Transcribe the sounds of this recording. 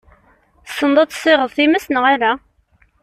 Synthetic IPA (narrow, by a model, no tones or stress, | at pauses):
sːənd̪ˤɑt̪ˤːsˤːɪʁəðˤθimæsnəʁaɾa